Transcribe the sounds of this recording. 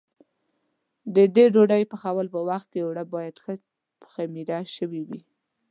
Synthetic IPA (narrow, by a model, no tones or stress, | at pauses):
d̪əd̪eɖoɖajpəxawəlpəwaxt̪̚kewɽabɑjad̪xə | xamiɾɑʃəwiwi